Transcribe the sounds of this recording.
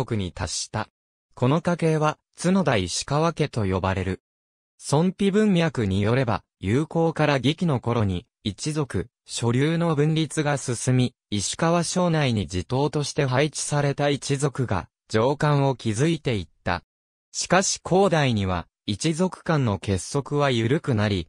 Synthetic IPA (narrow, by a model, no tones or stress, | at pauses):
okɯ̟ɲ̟it̪aɕi̥t̪a | ko̞no̞kake̞ːβa | t͡sɨno̞d̪aiɕi̥kaβake̞t̪o̞jo̞baɾe̞ɾɯ̟ | sõ̞mpʲibɯ̟̃mjakɯ̟ɲ̟ijo̞ɾe̞ba̰ | jɯːko̞ːkaɾaɡʲikʲino̞ko̞ɾo̞ɲ̟iː | t͡ɕizo̞kɯ̟ | ɕo̞ɾʲɨːno̞bɯ̟̃nɾʲit͡sɨɡasɨsɨmʲiː | ɕi̥kaβaɕo̞ːnaiɲ̟id͡ʑit̪o̞ːt̪o̞ɕi̥t̪e̞ɦait͡ɕi̥saɾe̞t̪ait͡ɕizo̞kɯ̟ɡa̰ | d͡ʑ̥o̞ːkãɰ̃o̞kʲizɨit̪e̞it̪ːa̰ | ɕi̥kaɕi̥kʰo̞ːd̪aiɲ̟iβ̞a̰ | it͡ɕizo̞kɯ̟̥kãnːo̞ke̞sːo̞kɯ̟βajɯ̟ɾɯ̟kɯ̟naɾʲi